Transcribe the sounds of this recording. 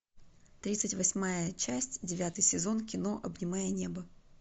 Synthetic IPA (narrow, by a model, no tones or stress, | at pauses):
t̪ɾʲit̪sɨtʲvɐsʲmajət͡ɕæsʲtʲdʲɪvʲat̪ɨjsʲɪzo̞nkʲɪno̞ʔɐbnʲɪmajənʲe̞bə